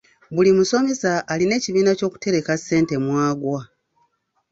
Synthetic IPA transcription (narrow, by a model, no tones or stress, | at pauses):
βulimuso̞me̞saʔːline̞ːciβiːnaco̞ːku̥te̞ɾe̞kasːe̞ːnte̞mwaːɡwa